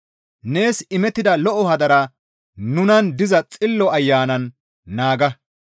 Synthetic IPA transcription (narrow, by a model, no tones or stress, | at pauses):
ne̞ːsɪmɛt̪ːɪd̪ɐlɔʔɔhɐd̪ɐɾɐ | nʊnɐnd̪ɪzɐt͡sʼɪlːɔɐjːaːnɐnː | aːɡɐ